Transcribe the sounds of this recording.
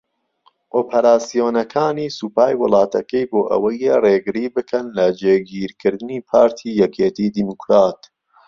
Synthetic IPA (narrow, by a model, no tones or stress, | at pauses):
ʔoːpʰɐɾaːsijoːnɐkʰaːniːsupaːjwɨlˠɑːt̪ʰɐkɐjboːʔɐ̰wɐjereɡɨɾiːbɨkʰɐnlɐd͡ʒeːɡiːɾkʰɨɾd̪ɨniːpʰaːɾt̪ʰijɛkʰeːt̪iːd̪imukɾaːt̪